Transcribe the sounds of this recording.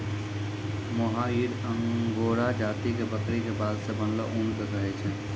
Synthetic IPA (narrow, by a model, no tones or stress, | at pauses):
moɦaiɾəŋɡoːɾad͡ʒaːt̪ikebəkɾikebaːlsebənlɔʔund̪əɡ̪əɦɛt͡ʃʰɛ